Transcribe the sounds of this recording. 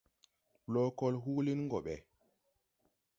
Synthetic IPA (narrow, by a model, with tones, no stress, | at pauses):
lɔ˦kɔ˦lɦu˦li˦nŋɡɔ˨ɓɛ˨